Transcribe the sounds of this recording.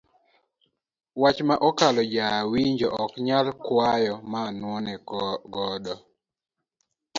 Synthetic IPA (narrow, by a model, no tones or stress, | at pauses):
wat͡ʃmaʔɔkalɔd͡ʒawiɲd͡ʒɔʔɔkɲalkwajɔmanwɔnɛɡɔdɔ